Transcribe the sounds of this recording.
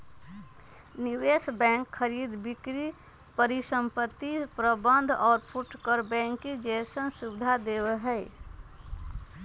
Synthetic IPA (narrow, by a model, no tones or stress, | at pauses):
niwesbɛ̃ŋkʰːəɾid̪bikɾi | pəɾisə̃mpət̪ːipɾəbə̃nd̪ʱɔːɾpʰuʈkəɾbɛ̃ŋkid͡ʒesənsubɪd̪ʱad̪ewɦɛ